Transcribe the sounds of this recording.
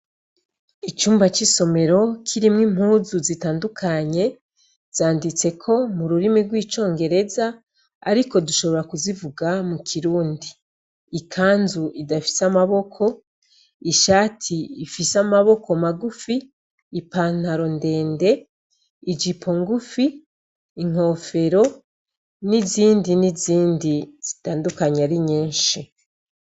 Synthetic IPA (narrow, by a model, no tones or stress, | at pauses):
it͡ʃuːmbat͡ʃiso̞me̞ɾo̞kʰiɾimŋim̥huːzuzitaːndukʰaɲe̞ | z̥aːndit͡se̞kʰo̞muɾuɾimiɾɡwiːt͡ʃo̞ːŋɡe̞ɾe̞za | a̰ɾiko̞duʃo̞βo̞ɾakuzivuɡamukʰiɾuːndiː | kʰaːnzuʔidafi̥samaβo̞kʰo̞ | iʃaːtʰiifisamaβo̞ko̞maɡufiː | paːn̥haɾo̞nde̞ːnde̞ | id͡ʒipʰo̞ŋɡufiː | ŋ̥o̞fe̞ɾo̞ | niziːndiniziːndiz̥itaːndukaɲaɾiɲiːnʃi